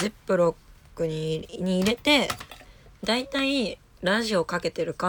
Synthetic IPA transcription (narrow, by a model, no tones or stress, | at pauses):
zepːɯ̟ɾo̞kːɯ̟ɲiɲ̟iːɾe̞t̪e̞ | d̪ait̪ai | ɾaʑio̞kake̞t̪e̞ɾɯ̟ka